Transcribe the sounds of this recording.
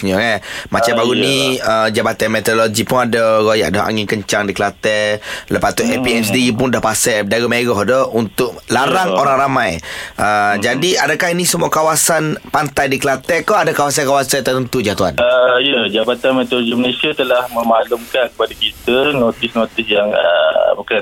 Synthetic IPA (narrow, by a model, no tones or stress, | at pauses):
ɲəkanmat͡ʃambaɾuniəd͡ʒabat̪anmɛt̪ɔdoloɡipʊnadəɾoja̰ʔdaɦa̰ŋɪnkəɲt͡ʃaŋdikəlat̪ɛləpat̪uʔɛpiɛsdipʊndahpasɛdaɾimeɡɔɦdəunt̪ʊʔlaɾaŋoɾaŋɾamajʔəd͡ʒadiadakahinisəmuakawasanpant̪ajdikəlat̪ɛkɔadakawas̬ankawasat̪ət̪ənt̪ud͡ʒat̪ua̰nəijəd͡ʒabat̪anmet̪oloɡiməlesiat̪əlahməmalumkankə̥padakit̪ənot̪ɪsnot̪ɪsjaŋə̰bəkəa